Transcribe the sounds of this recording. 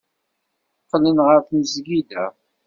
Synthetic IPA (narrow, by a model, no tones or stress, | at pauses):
qːlənʁəɾθnzɡid̪æ